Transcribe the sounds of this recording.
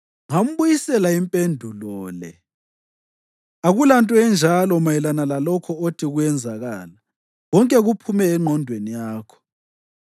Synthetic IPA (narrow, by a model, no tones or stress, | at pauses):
ŋam̩βujisɛlaimpʼendʱulɔːlɛ | aɣulantʼɔɛnd͡ʒʱalɔmajɛlanalalɔkʰɔotʰiɣujɛnd͡zʱaɣaːla | ɣɔŋkʼɛɣupʰumɛːŋ͡ǃʱɔndʱwenijaːkʰɔ̥